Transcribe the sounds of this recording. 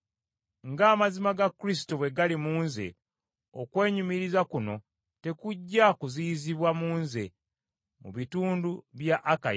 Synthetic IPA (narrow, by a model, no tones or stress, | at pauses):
ŋɡaːmazimaɡakːɾis̬i̥toβwe̞ɡalimuːnze̞̰ | o̰kwe̞ːɲumiɾizakuno̞̰ | te̞kuɟːakuziziβwamuːnze̞̰ | mṵβituːnduβjaʔːka